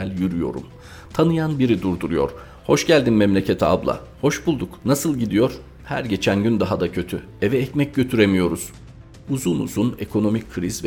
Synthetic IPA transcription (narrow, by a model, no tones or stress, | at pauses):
ælʲjyɾyjo̞̰ɾṵm | t̪ʰanɯjanbiɾid̪uɾd̪uɾujo̞̰ɾ̥ | ho̞ʃɟælʲd̪imːɛmlʲe̞cʰe̞t̪ʰia̰blˠa̰ | ho̞ʃbulˠd̪uknasɯlˠɟid̪ijo̞ɾ | hæ̰ɾɟe̞t͡ʃʰænɟynd̪aɦad̪acʰø̞t̪ʰy | evɛːcmɛc̚ɟø̞t̪ʰyɾe̞mijo̞ɾuz̥ | uzunṵzune̞kʰo̞no̞micʰːɾizv